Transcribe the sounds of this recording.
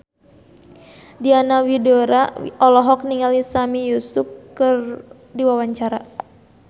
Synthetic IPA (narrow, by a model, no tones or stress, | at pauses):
dianawidoɾaɔlɔɦɔk̚niŋalisamijusup̚kɨr | diwawaɲt͡ʃaɾa